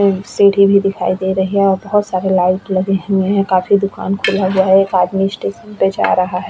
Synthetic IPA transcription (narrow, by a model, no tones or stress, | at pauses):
ẽseːʈibʱid̪ɪkʰa̰ːid̪eːɾɐɦiɦɛ̃ɔːɾbɐɦʊt̪saːɾelaːɪʈlɐɡeɦeɦɛ̃kaːfid̪ʊka̰ːnkʰʊlaɦʊaɦɛːkaːd̪miɪsʈeːʃə̃nped͡ʒa̰ːɾɐɦaɦɛː